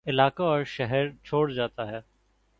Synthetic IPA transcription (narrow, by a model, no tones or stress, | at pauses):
ɪlaːkaɔːɾʃɛɦɛɾt͡ʃʰoːɽd͡ʒaːt̪aɦɛː